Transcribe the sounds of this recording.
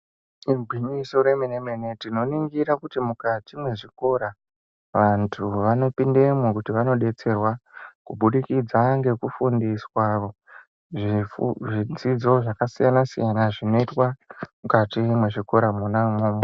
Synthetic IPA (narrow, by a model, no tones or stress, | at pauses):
irɡʱwimiso̞ɾe̞menemenetino̞niŋɡiɾakutimukatimwe̞ʐiko̞ɾa | ʋantʰuʋano̞pindemukutiʋano̞ɗe̞t͡se̞rwakuɓuɗikid͡zaŋɡe̞kufundiswao | ʐiʐid͡zid͡zo̞ʐakasijanasḭjanaʐino̞itwamukatimwe̞ʐiko̞ɾamunamoːmo